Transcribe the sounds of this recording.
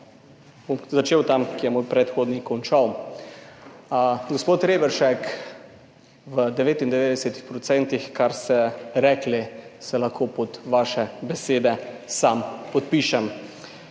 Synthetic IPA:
bomzat͡ʃeːwt̪amkijɛmoːjpɾɛt̪xoːd̪nikɔnt͡ʃaw | ɡospoːt̪ɾeːbɛɾʃɛk | ʋəd̪ɛʋeːt̪ind̪ɛʋeːd̪ɛsɛt̪ixpɾɔt̪sɛnt̪ixkaɾst̪ɛɾɛːklisɛlaxkʰoːpɔt̪ʋaːʃɛbɛseːd̪ɛsampɔt̪̚piːʃɛm

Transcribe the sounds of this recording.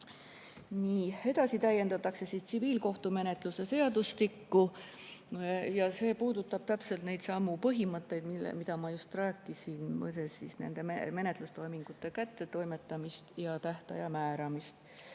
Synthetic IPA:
niːe̞d̪ɑsit̪æjːe̞nd̪ɑt̪ːˑɑkse̞sist̪siviːlko̞ht̪ume̞ne̞t̪ˑluse̞se̞ɑd̪ust̪ikːu | jɑse̞ːpuːd̪ut̪ːˑɑb̥̚t̪æpse̞lt̪ne̞jd̪sɑmːupɤɦimɤt̪ːˑe̞jd̪mḭmid̪ɑmɑjust̪ræːkːˑisinmɤ̰t̪esisne̞̰nd̪̥e̞meme̞ne̞t̪lust̪o̞jmiŋɡ̥ut̪ːˑe̞kæt̪ˑːe̞t̪o̞jme̞t̪ːˑɑmist̪jɑt̪æht̪ɑ̰jɑmæːɾɑmist̪

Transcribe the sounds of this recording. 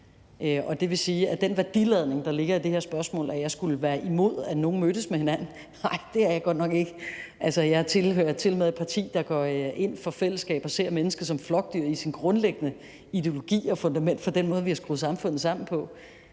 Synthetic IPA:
øʔɒ̽d̥e̝ʋe̝siːæd̥enʋæɐd̥ilɛðˠne̝ŋd̥ɑ̈le̝ɡ̥ɐid̥e̝heɐ̰sb̥ɶɐsmɔ̰ːlʔæjɑ̈ɪsɡ̥uləʋæːɐʔimo̝ð̞̰ˠæno̝ːn̩mød̥əsmehe̝næn̰n̩ | ɑ̈ɪ̰d̥e̝æɐjɑ̈ɡ̥ɒ̽d̥nɒ̽ɡ̥e̝ɡ̥əʔælsɐjɑ̈ht͡sʰe̝lɦøːɐt͡sʰe̝lmeðˠe̥pʰɑ̈t͡sʰḭːd̥ɑ̈ɡ̥ɒe̝n̰fɒ̽fel̰əsɡ̥ɛ̰ːb̥ɒ̽se̝ɐ̰menəsɡ̥ɐsɒ̽mflɒ̽ɡ̥̚d̥yɐ̰isinɡ̥ʁɔ̽nleɡ̥ənə | id̥e̝o̝lo̝ɡ̥ḭːɒ̽fɔ̽nd̥æmen̰d̥fɒ̽d̥en̰mɔ̽ːð̞ˠʋihɑsɡ̥ʁuːð̩ˠsɑ̈mfɔ̽n̰ð̩ˠsɑ̈m̰n̩pʰɒ̽

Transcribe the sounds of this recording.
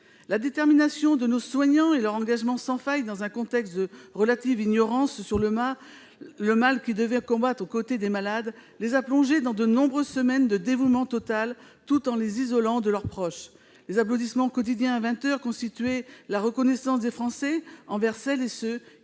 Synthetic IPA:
lad̪et̪ɛʁminasjɔ̃d̪ənoswaɲɑ̃elœʁɑ̃ɡaʒmɑ̃sɑ̃fajd̪ɑ̃zɛ̃kɔ̃t̪ɛkst̪̚d̪əʁəlat̪iviɲɔʁɑ̃ssyʁləmaː | əmalkʲid̪əvɛkɔ̃bat̪χokot̪ed̪emalad̪lezaplɔ̃ʒed̪ɑ̃d̪ənɔ̃bʁøzsəmɛnd̪əd̪evumɑ̃t̪ɔt̪al | t̪ut̪ɑ̃lezizɔlɑ̃d̪əlœʁpχɔʃ | lezap̬lod̪ismɑ̃kɔt̪id̪jɛ̃avɛ̃t̪œʁkɔ̃st̪it̪ɥɛlaʁəkɔnɛsɑ̃sd̪efχɑ̃sɛɑ̃vɛʁsɛlesø

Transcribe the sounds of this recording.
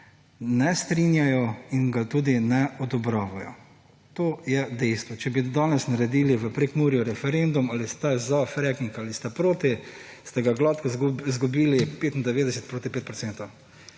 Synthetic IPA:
nɛst̪ɾinjajɔinɡat̪uːd̪inɛʔɔd̪ɔbɾaːʋajɔ̰ | t̪oːjɛd̪ɛjst̪ʋɔt͡ʃɛbid̪aːnɛsnaɾɛd̪iːliʋəpɾekmuɾjɔɾɛfɛɾend̪umalist̪ɛzafɾɛkiŋkalist̪ɛpɾoːt̪i | st̪ɛɡaɡlat̪kɔzɡubiːlipeːt̪ind̪ɛʋeːd̪ɛsɛt̪̚pɾoːt̪ipeːt̪̚pɾɔseːnt̪ɔw

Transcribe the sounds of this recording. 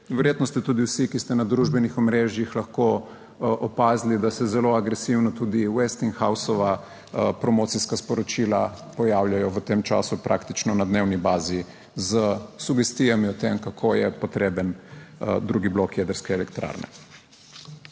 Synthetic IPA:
ʋɛɾjeːt̪nɔst̪ɛt̪uːd̪iwsikist̪ɛnad̪ɾuʒbɛnixɔmɾeːʒjixlaxko | ʔɔpaːzlid̪asɛzɛloaɡɾɛsiwnɔt̪uːd̪iwɛst̪inxawsɔʋa | pɾɔmoːt̪siskaspɔɾɔt͡ʃilapɔjawljajɔʋət̪emt͡ʃa̰supɾʔa̰kt̪it͡ʃnɔnad̪newnibaːzi | zəsuɡɛst̪ijamiɔt̪emkakʰojɛpɔt̪ɾeːbənd̪ɾuɡiblokjed̪əɾskɛɛlɛkt̪ɾa̰ːɾnɛ̰

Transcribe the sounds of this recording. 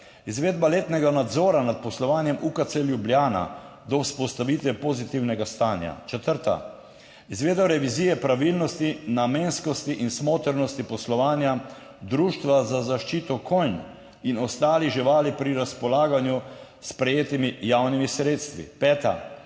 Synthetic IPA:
izʋeːd̪baleːt̪nɛɡanad̪zɔːɾanat̪̚pɔslɔʋaːnjɛmukat̪seljubljaːna̰ | d̪ɔwspɔst̪aʋit̪ʋɛpozit̪iwnɛɡast̪aːnja̰t͡ʃɛt̪əɾt̪a̰ | izʋeːd̪bɔɾɛʋiziːjɛpɾaʋilnɔst̪inameːnskɔst̪iʔinsmoːt̪əɾnɔst̪ipɔslɔʋaːnja | d̪ɾuːʃt̪ʋazazaʃt͡ʃiːt̪ɔkʰojn | inɔst̪aːliʒiʋaːlipɾiɾaspɔlaːɡanju | spɾɛjeːt̪imijawnimisɾeːt̪st̪ʋḭpɛːt̪a̰

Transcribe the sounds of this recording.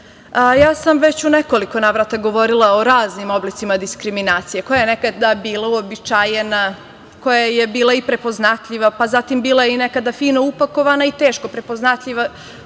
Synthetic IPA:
jaːsamʋe̞t͡ɕuneko̞liko̞naʋɾat̪aɡo̞ʋoɾilˠao̞ɾaːznimo̞blit̪simad̪iskɾiminaːt̪sije̞ko̞jajene̞kad̪abiːlˠauobit͡ʃajena | ko̞jaje̞biːlˠaipɾe̞po̞znat̪ʎiʋapazat̪imbiːlˠajeine̞kad̪afiːno̞upako̞ʋanait̪eːʃko̞pɾe̞po̞znat̪ʎiʋa

